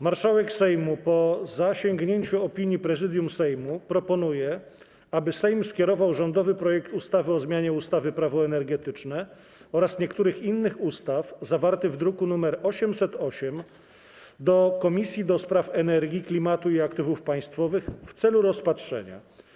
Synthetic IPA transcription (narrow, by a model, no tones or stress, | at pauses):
maɾʂawɛksɛjmupɔzaɕɛŋɡɲeɲt͡ɕuɔpʲiɲjipɾɛzɘd̪ʲjumsɛjmupɾɔpɔn̪ujɛ | abɘsɛjmskʲjɛɾɔvawʐɔnd̪ɔvɘpɾɔjɛkt̪ust̪avɘɔzmʲjaɲɛust̪avɘpɾavɔɛnɛɾɡɛt̪ɘt͡ʂnɛ | ɔɾasɲɛkt̪uɾɘxinːɘxust̪afzavaɾt̪ɘɣvd̪ɾukunumɛɾɔɕɛmsɛt̪ɔɕɛm | d̪ɔkɔmʲisʲjid̪ɔspɾafɛnɛɾɡʲiklʲimat̪uiakt̪ɘvufpaj̃st̪fɔvɘxft̪sɛluɾɔspatʂɛ̰ɲa̰